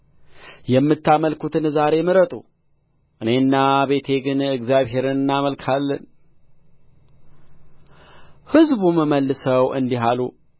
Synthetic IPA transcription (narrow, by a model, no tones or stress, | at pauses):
jɛmːɨt̪ʰːaməlkut̪ɨnzaɾe̞mɨɾət̪ʼu | ʔɨne̞nːaβe̞t̪ʰe̞ɡɨnɨɡzjaβɦe̞ɾɨnɨnːaməlkʰalːən | hɨzbuməməlːɨsəwɨ̰nd̪iɦalu